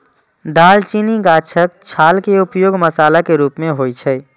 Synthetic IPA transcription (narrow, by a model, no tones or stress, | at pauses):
d̪aːlt͡ʃiːniɡaːt͡ʃʰək̚t͡ʃʰaːlkeʊpjoːɡməsaːlakeɾuːpmẽɦoːit͡ʃʰɛ